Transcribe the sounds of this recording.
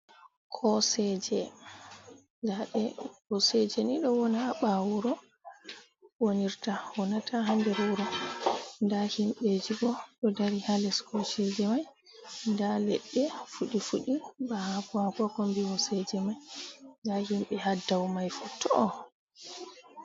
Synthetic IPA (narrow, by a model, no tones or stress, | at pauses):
kʰɔsɛd͡ʒɛ | d͡ʒaɗɛwɔsɛd͡ʒɛniɗɔwɔnaɓawuɾɔ | woniɾtawɔnatʰaɦamdɛɾuɾɔ | ndahimɓed͡ʒiɡɔɗɔdaɾihalɛskʰɔsɛd͡ʒɛmaj | ndalɛɗːɛfuɗifuɗibahakuakɔkɔmbiwɔsɛd͡ʒɛmajndahimɓɛɦadːawmajfutʰːɔ